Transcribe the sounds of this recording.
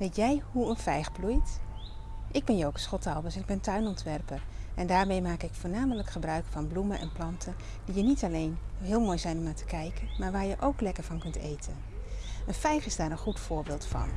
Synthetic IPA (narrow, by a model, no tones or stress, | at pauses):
ʋejtjɛjɦuənfɛjχblujt | ʔɪɡ̚bɛnjowkəsχɔtɑlˠʋəsɪɡ̚bɛntœɥnɔntʋɛrpərʔɛndaːɹmejmaːkɪkfʊːɹnaːmələkχəbrœɥkfɑnblumənʔɛ̰nplɑntʰə | d̥ijənitɑlejnɦɪːlˠmoːjzɛjnɔmnaːtə̥kɛjkənmaːɹʋaːɹjəʔowklɛkəɹvɑnkɵntejtʰən | ənfɛjχɪzdaːɾənχutfʊːɹbɪːlˠtfɑ̰n